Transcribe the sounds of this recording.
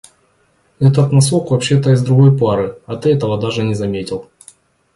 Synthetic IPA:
ɛt̪ət̪nɐsokvɐpɕːe̞t̪əɪzd̪ɾʊɡo̞jpaɾɨɐt̪ɨɛt̪əvəd̪aʐɨnʲɪzɐmʲetʲɪlˠ

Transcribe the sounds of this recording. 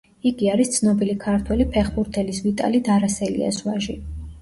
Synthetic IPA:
iɡiaɾist̪sʰnɔbilikʰaɾt̪ʰwɛlipʰɛχbuɾt̪ʰɛlisvit̪ʼa̰lid̪aɾasɛlḭa̰zwaʒi

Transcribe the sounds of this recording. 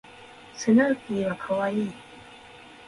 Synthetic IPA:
sənakiwakʰawaji

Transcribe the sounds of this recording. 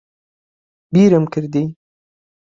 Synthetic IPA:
biːɾɨmkʰɨɾd̪iː

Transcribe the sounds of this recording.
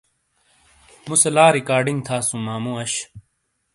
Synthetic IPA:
muselaːɾikaːɾɖĩŋɡ̚t̪ʰaːsũmaːmũːɐɕ

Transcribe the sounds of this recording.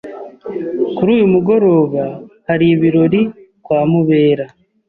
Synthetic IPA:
kuɾuːjumuɡo̞ɾo̞ːβahaɾiːβiɾo̞ɾi | kwaːmuβe̞ːɾa

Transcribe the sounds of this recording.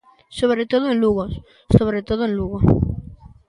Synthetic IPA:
soβɾet̪oð̞oẽnluɣos | soβɾet̪oðoẽnluɣo

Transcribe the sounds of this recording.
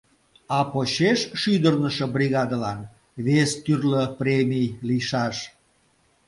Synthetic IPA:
ɑpoɕeʃʃyd̪ərnəʃəbriɣɑd̪əlɑn | βest̪yrləprʲemʲijliʃɑʃ

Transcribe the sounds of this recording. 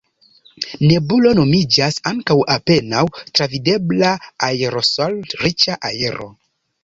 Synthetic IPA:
ne̞bulo̞no̞mid͡ʒasaŋkawape̞nawtɾavide̞blaːeɾo̞soltɾit͡ʃaʔaeɾo̞̰

